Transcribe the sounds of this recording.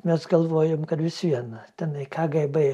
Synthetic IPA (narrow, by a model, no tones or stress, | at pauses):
mʲɛsɡɐlˠʋoːjomkɐd̪ʋʲɪsiɛnt̪ʲɛnɐjkʰaːɡɐɪbɐj